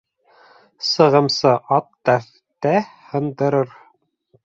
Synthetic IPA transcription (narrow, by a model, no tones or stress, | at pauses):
sɤ̆ʁɤ̆msɤʔɑt̪ːæf | t̪æhɤ̆nd̪ɤ̆ɾɤɾ